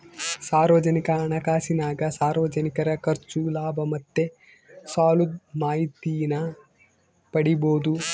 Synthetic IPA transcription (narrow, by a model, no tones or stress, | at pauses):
saːɾʋɐd͡ʒɐnikɐːɳɐkaːsinaːɡɐsaːɾʋɐd͡ʒɐnikɐɾɐkɐɾt͡ʃulaːbʱɐmɐt̪ːe | saːlud̪̚maːɦit̪ijnɐ | pɐɽiboːd̪u